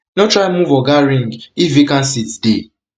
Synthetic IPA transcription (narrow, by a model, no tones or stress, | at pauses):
notɾaɪmuvɔɡaɾĩŋɡivikãnsitde